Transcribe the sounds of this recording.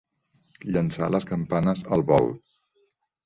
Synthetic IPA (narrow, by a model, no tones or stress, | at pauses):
ʎənsaləskəmpanəzəlˠβɔ̰lt̪̚